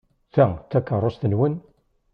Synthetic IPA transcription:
θæt̪ːækːərˤosθənwən

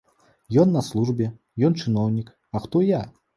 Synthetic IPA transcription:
jɔnːɐslˠuʐbʲɛ | jɔnt͡ʂɨnɔwnʲik | ɐxt̪ɔja

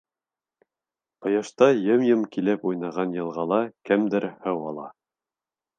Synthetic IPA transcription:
pɤ̆jɑʃt̪ɑjɤmjɤmkilɘpujnɑʁɑnjɤ̆lˠʁɑlˠɑkɘmd̪ɘɾhɤwɑlˠɑ

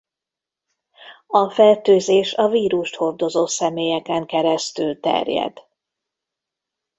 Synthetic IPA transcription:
ɒfɛlt̪øːzeːʃɒviːɾuʃt̪ho̞rd̪o̞zoːsɛmeːjɛkɛŋkɛɾɛst̪ylt̪ɛ̰rjɛ̰d̪̥

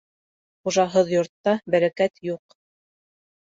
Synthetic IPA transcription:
χuʒɑɦɤðjŏɾt̪ːɑbæɾækæt̪juq

